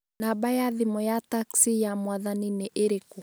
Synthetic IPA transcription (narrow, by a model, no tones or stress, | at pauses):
nabajaðimɔjataksijamwaðanineʔeɾeku